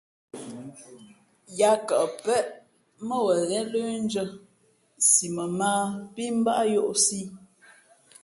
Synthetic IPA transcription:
ja˨kə˨ʔpɛ˦ʔ | mə˦wə˨ɣɛ˦lə˦n˦d͡ʒə˦ | si˨mə˨maː˦pi˦m̩˦ba˦ʔjo˦ʔsi˦

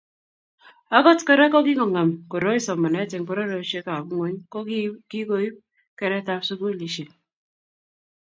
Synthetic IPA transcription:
a˦ɡɔ˦tkɔ˦ɾa˦kɔ˦k̬i˦ŋɔ˨ŋɛ˨mko˨ɾo˦i˦sɔ˨mːɔ˨nɛ˦te˨ŋpɔ˦ɾɔ˦ɾo˨˦ʃe˦ka˨˦ŋo˦ɲkɔ˦ki˦ko˨ji˦p̚ | kɛ˨ɾɛ˦ta˦psu˦ko˦˨li˨ʃe˨

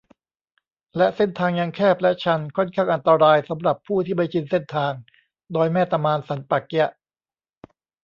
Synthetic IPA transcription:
lɛ˦˥se˥˩nt̪ʰaː˧ŋja˧ŋkʰɛː˥˩p̚lɛ˦˥t͡ɕʰa˧nkʰɔ˥˩nkʰaː˥˩ŋʔa˧nt̪a˧ɾaː˧jsa˩˦mɾa˨˩pʰːuː˥˩t̪ʰiː˥˩ma˧˩jt͡ɕʰi˧nse˥˩nt̪ʰaː˧ŋ | dɔː˧jmɛː˥˩t̪a˧maː˧nsa˩˦npa˨˩k̚ɛ˦˥˩ʔ

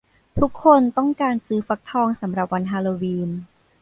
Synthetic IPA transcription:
t̪ʰu˦˥kʰːo˧nt̪ɔ˥˩ŋkaː˧nsɯː˦˥fa˧˦˥k̚t̪ʰɔː˧ŋsa˩˦mɾa˨˩p̚wa˧nɦaː˧loː˧wiː˧n

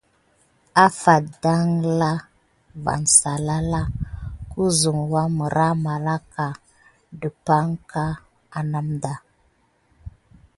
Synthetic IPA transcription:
a˦fa˨da˦ŋla˦ | va̰˨nsa˨la˦la˦ku˦zu˨ŋwa˦mə˨ɾa˦ma˨la˦ka˨ | də˨pa˦ŋka˦ | a˨na˦mda˨

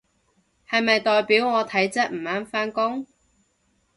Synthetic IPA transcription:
hɐ˨jmɐ˨jt̪ɔː˨jpiː˨˥wŋɔː˨˧t̪ʰɐ˨˥jt͡sɐ˥k̚m̩ː˨˩aː˨˥nfaː˥nkʊ˥ŋ

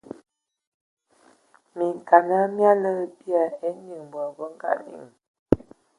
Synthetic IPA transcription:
mi˨ŋ˨ka˨na˦mja˦lə˦pja˨e˦ni˨ŋ˨bə˨bə˦ŋ̩˦ɡa̰˨nḭ˦˨ŋ

